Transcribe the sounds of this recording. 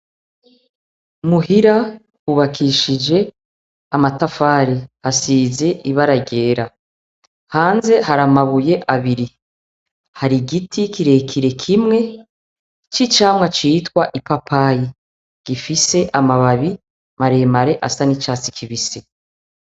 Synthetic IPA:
muɦiɾa | uβakʰiʃid͡ʒe̞ | amatafaːɾihasiːze̞ʔiβaɾaɟe̞ːɾa | haːnze̞haɾamaβuje̞ʔaβiɾi | haɾiɡitʰikiɾe̞kʰiɾe̞kʰimŋe̞ | t͡ʃit͡ʃaːmŋat͡ʃitkwaʔipapʰaji | ɡ̥ifise̞ʔamaβaβi | maɾemaɾe̞ʔasanit͡ʃaːt͡si̥kʰiβise

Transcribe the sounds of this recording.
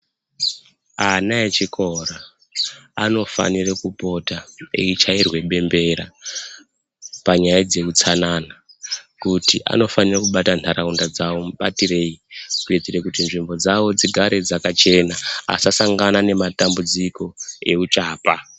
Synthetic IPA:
anaet͡ʃikʰo̞raː | no̞fa̰nirekupo̞taḛit͡ʃairwe̞ɓe̞mbe̞ɾa̰ | paɲajad͡ze̞kut͡sananakutiʔa̰no̞fanirakuɓatantʰaɾʔaundad͡zawo̞muɓa̰tire̞ikured͡zirekutinʐimbo̞d͡zawo̞d͡ziɡʱaɾʔe̞d͡zakat͡ʃe̞naa̰sasaŋɡanane̞matambud͡ziko̞e̞ut͡ʃaːpa

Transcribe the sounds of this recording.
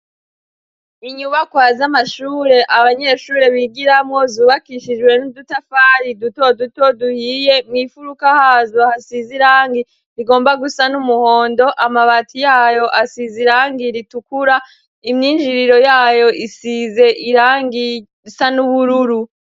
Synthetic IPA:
iɲuβakwaːzamaʃuːɾe̞ʔaβaɲe̞ʃuːɾe̞βiɡiɾamŋo̞zuːβakiʃid͡ʒɡwe̞nudutafaːɾidutodutoduhiːjemŋifuɾukahazohasiziɾaːŋɡi | ɾiɡo̞ːmbaɡusanumuho̞ːndo̞ʔamaβaːtʰijaːjo̞ʔasiziɾaːŋɡiɾitukuɾa | imɲiːnd͡ʒiɾiɾo̞jaːjo̞ʔisize̞ʔiɾaːŋɡi | sanuβuɾuɾu

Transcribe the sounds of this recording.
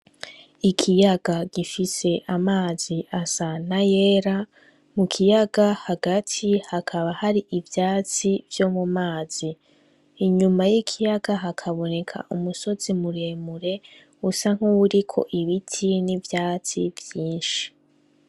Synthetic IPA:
ikʰijaɡ̥aɡifise̞ʔamaːziʔasan̥aje̞ːɾa | mukʰijaɡahaɡatʰihakʰaβahaɾiʔivjaːt͡sivjo̞mumaːz̥iː | ɲumajikʰijaɡaɦakʰaβo̞ne̞kʰa̰ʔumuso̞zimuɾeːmuɾe̞ | usaŋ̥huwuɾikʰo̞̰ʔiβitʰinivjaːt͡sivjiːnʃi̥

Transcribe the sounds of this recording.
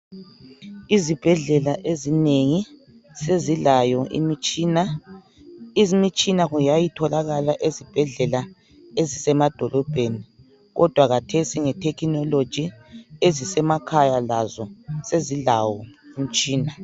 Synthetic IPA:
izib̥ʱɛɮɛlaʔezineŋi | sezilajɔʔḭmt͡ʃina | izimit͡ʃʼinaɣujajitʰɔlaɣalaʔezib̥ʱɛɮɛla | ezisɛmad̥ʱɔlɔb̥ʱeni | ɣɔ̰d̥ʱwaɣatʰesiŋɛtʰɛkʰinɔlod̥ʒ̥ʱiezisɛmakʰajalazɔseziɮawɔim̩t͡ʃʼiːna

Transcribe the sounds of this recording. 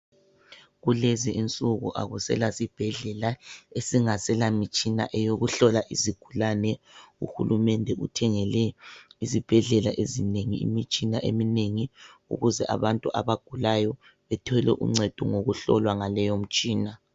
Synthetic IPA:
ɣuleziʔint͡sʼuɣṵʔa̰ɣusɛ̰lasib̥ʱɛɮɛlaesiŋasɛlamit͡ʃʼina̰ʔɛjoɣuɬɔlaʔiziɡ̥ʱulanɛṵxulumɛndʱɛṵtʰɛŋɛlɛizib̥ʱɛɮɛlaʔezineŋiḭmit͡ʃʼinaʔḛmineŋiṵɣuzɛʔa̰βantʼuʔa̰βaɡ̥ʱulajɔ | βɛtʰɔlɛ̰ʔṵŋ͡ǀɛd̥ʱṵŋoɣuɬɔ̰lwaŋalɛjom̩t͡ʃʼiːna

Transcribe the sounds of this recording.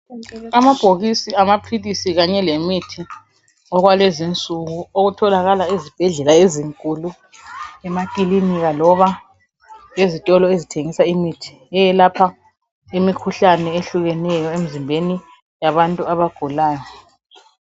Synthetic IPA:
amab̥ʱoɣisiamapʰilisiɣaɲɛlemitʰi | ɔɣwalezint͡sʼuɣuoɣutʰɔlaɣalaezib̥ʱɛɮɛlaeziŋkʼulu | ɛmakʼiliniɣalɔβa | lezitʼɔlɔezitʰeŋisaimitʰi̥ | ɛjɛlapʰa | imikʰuɬanɛeɬuɣɛnɛjɔemizimbʱeni | jaβantʼuaβaɡ̥ʱulaːjɔ

